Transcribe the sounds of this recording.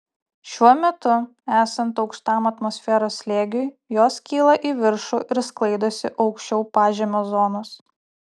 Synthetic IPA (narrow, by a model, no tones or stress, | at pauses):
ʃʲuɔmʲɛt̪ʊ | æːsɐnt̪ɒʊkʃt̪ɑːmɐt̪mɔsʲfʲɛːɾoːslʲeːɡʲʊj | joːskʲiːlˠɐʔiːʋʲɪɾʃuːʔɪɾsklˠɐɪd̪oːsʲɪʔɒʊkʃʲt͡ʃʲɛʊpɑːʒʲiɛmʲoːzɔːnoːs